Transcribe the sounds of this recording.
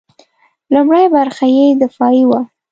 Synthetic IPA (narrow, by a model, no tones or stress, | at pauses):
lumɽajbaɾxajed̪ɪfɑjiwa